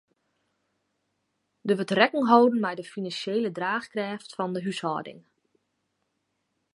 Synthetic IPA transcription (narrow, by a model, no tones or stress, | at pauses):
dəʋətrɛkəŋɦɔwdən̩mɛjdəfinansjeːlədraːxkrɛːftfɔndəɦyshɔ̰ːdɪ̰ŋ